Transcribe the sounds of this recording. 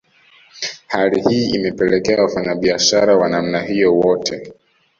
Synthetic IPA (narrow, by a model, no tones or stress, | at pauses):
halihiːimɛpɛlɛkɛawafaɲaɓiaʃaɾawanam̩nahijɔwɔtʰɛ